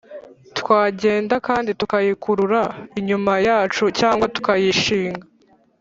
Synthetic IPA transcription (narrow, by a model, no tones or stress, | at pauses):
twaːɟe̞ːndakaːnditukajikuɾuɾaiɲumajaːt͡ʃucaːŋɡwatu̥kajiʃiːŋɡa